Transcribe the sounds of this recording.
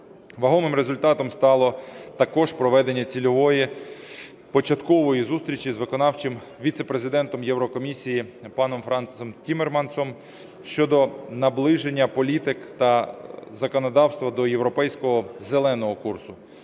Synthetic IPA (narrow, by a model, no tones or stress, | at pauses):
ʋɐɦɔmɪmɾezʊlʲt̪ɑt̪ɔmst̪ɑlˠɔt̪ɐkɔʒpɾɔʋɛd̪e̞nʲːɐt͡sʲilʲɔʋɔji | pɔt͡ʃɐt̪kɔʋɔjizust̪ʲɾʲit͡ʃizʋɪkɔnɑwt͡ʃɪm | ʋʲit̪sepɾezɪd̪ɛnt̪ɔmjɛwɾɔkɔmʲisʲijipɑnɔmfɾɐnt̪sɔmtʲimermɑnsɔm | ʃt͡ʃɔd̪ɔnɐblˠɪʒenʲːɐpɔlʲit̪ɪkt̪ɐzɐkɔnɔd̪ɑwst̪ʋɐd̪ɔjewɾɔpɛjsʲkɔɦɔzelˠɛnɔɦɔkursʊ